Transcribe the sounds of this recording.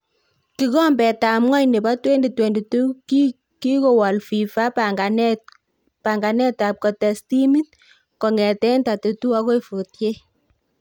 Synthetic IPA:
ki˨˦kɔ˦mbɛ˨ta˨mŋa˦jne˨ba˦twɛ˦nde˨twɛ˨nde˨tu˦k | ki˦ko˨wa˨lfi˨fa˦paɡan | paŋɡa˨nɛ˦ta˨p̚kɔ˨tɛ˨sti˦mi˦t̚ | kɔ˨ŋɛ˨tɛ˦nta˨te˨tu˦a˦ko˦ifu˨tje˦

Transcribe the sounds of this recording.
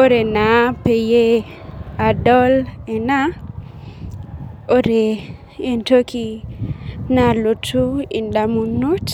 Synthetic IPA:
o˦ɾe˨na˨pe˨je˦ | a˨dɔ˦lɛ˨na˦ | o˦ɾe˨ | e˦nto˦kʰi˦ | na˨lo˨tʰu˦i˨nda˨mu˨no˦t

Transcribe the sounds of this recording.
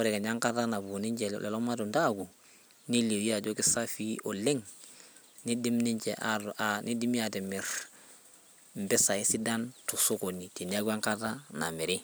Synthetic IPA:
wo˦ɾe˨ke˨ɲa˦ŋka˦ta˦na˨bu˨ni˦ɲt͡ʃe˨l̰lʔḛ˨lo˦ma˦tu˨nda˦˨ɡu˨ | ni˦li˨wi˦a˨d͡ʒo˦ki˦sa˦fi˦ʔo˨le˦ŋ | ni˦di˦mni˦ɲt͡ʃḛ˨ʔaanʔi˦di˦mi˦a˨te˨mi˨ɾ | m̩˨bɛ˦sa˨i˦si˦da˦ntu˨so˦ko˨ni˨ti˨ni˦a˦ɡa˦ŋka˦ta˦na̰˨me˨ɾi˦

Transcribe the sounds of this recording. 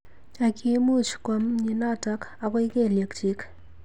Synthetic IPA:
a˨kʰi˧˦mu˦˨t͡ʃkwa˨mɲi˨na˦ta˦ka˨kɔ˦jke˦˨lje˨kt͡ʃi˦k

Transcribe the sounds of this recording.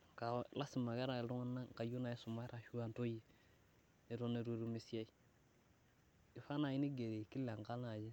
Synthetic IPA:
ka˨la˦si˨ma˨kɛ˦ɾa˨ɾu˦ŋa˦na˦˨ka˨ju˦na˨i˦su˨ma˦ɾa˨ʃu˦a˦nto˦ji˨ | ne˨ɾo˦ne˨ɾu˦˨ɾu˦mi˨si˦a˦i˦ | ɪ˨fa˦na˨i˦ni˦ɡe˨ɾe˨ki˦la˨ŋ˨ka˦la˨d͡ʒe˦

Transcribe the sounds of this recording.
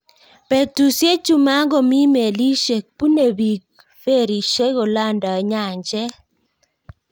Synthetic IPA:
pe˨tu˨sje˦t͡ʃu˦ma˦ŋɡɔ˦mi˦me˨li˦ʃe˨k̚pu˦ne˨bi˨k̚ | fe˦˨ɾi˨ʃe˦ɣo˨la˦nda˨ɲa˨ɲd͡ʒɛ˦

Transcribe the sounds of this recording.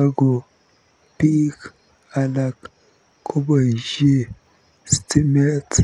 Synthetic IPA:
a˦ɡo˨ | pi˦k | a˨la˨kːʰ | o˦ba˨ʒe˦ | sti˦me˦t

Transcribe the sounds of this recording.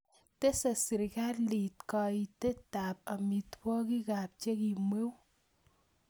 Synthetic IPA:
te˦sa˨si˨ɾka˦tli˨tkɑ˧i˨te˦ta˨p̚a˨mi˨twɔ˦ki˦ka˨p̚t͡ʃe˦ki˨mwe˦w

